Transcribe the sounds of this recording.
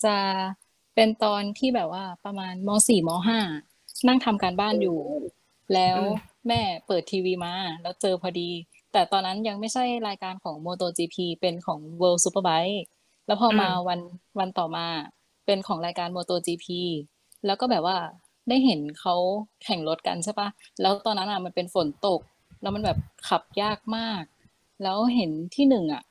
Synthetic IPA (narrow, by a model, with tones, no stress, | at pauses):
t͡ɕa˨˩ | pe˧nt̪ɔː˧nt̪ʰiː˥˩bɛː˨˩p̚waː˥˩pa˧maː˧nmɔː˧˥siː˨˩mɔː˧˥ɦaː˥˩ | na˥˩ŋt̪ʰa˧mkaː˧nbaː˥˩njuː˨˩ | lɛː˦˥wmɛː˥˩pɤː˨˩t̪ʰːiː˧wiː˧maː˧lɛː˦˥wt͡ɕɤː˧pʰɔː˧diː˧ | t̪ɛː˨˩t̪ɔː˧nːa˦˥nja˧ŋ̚ma˥˩jsʰa˥˩jɾaː˧jkaː˧nkʰɔː˩˦ŋmoː˧t̪oː˧t͡ɕiː˧pʰiː˧pe˧nkʰɔː˩˦ŋwəː˧wsu˧˦˥pəː˧ba˦˥j | lɛː˦˥wpʰɔː˧maː˧wa˧nwa˧nt̪ɔː˨˩maː˧ | pe˧nkʰɔː˩˦ŋɾaː˧jkaː˧nmoː˧t̪oː˧t͡ɕiː˧pʰiː˧ | lɛː˦˥wkɔː˥˩bɛː˨˩p̚waː˥˩ | da˥˩jɦe˩˦nkʰa˦˥wkʰɛ˨˩ŋlo˦˥t̪̚ka̰˧nsʰa˧˥˩pa˦˥lɛː˦˥wt̪ɔː˧nːa˦˥nʔa˨˩ma˧npe˧nfo˩˦nt̪o˨˩k̚ | lɛː˦˥wma˧nbɛː˨˩p̚kʰa˨˩p̚jaː˥˩k̚maː˥˩k̚ | lɛː˦˥wɦe˩˦nt̪ʰiː˥˩nɯ˨˩ŋʔa̰˨˩